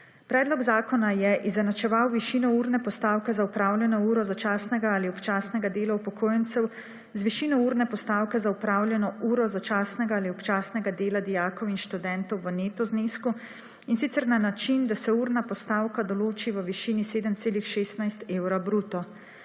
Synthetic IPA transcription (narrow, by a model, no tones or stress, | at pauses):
pɾɛːd̪lɔɡzaːkɔnajɛʔizɛnat͡ʃɛʋawʋiʃiːnɔuːɾnɛpɔst̪aːwkɛzaupɾaːwljɛnɔuːɾɔzat͡ʃaːsnɛɡaaːliɔpt͡ʃaːsnɛɡad̪eːlaupɔkʰoːjɛnt̪sɛw | zʋiʃinɔuːɾnɛpɔst̪aːwkɛzaupɾaːwlʲjɛnɔuːɾɔzat͡ʃaːsnɛɡaːliɔpt͡ʃaːsnɛɡad̪eːlad̪ijaːkɔwinʃt̪ud̪ɛnt̪ɔwʋəneːt̪ɔznesku | insit̪sɛɾnanat͡ʃind̪asɛuɾnapɔst̪aːwkad̪ɔloːt͡ʃiʋəʋiʃiniseːd̪əmt̪seːlixʃeːst̪najst̪eːwɾabɾuːt̪ɔ